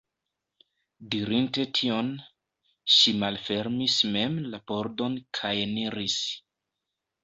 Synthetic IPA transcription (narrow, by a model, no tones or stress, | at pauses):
diɾinte̞tʰio̞n | ʃimalfe̞ɾmisme̞mlapo̞ɾdo̞nkʰajeniɾis